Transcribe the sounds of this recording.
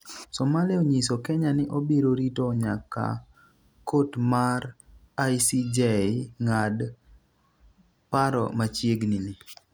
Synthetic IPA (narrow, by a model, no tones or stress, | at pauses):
sɔmalɛoɲisokɛɲanɪʔobeɾoɾitoɲaka̰ | kotmar | asid͡ʒeŋad | paɾɔ̰mat͡ʃjeɡnini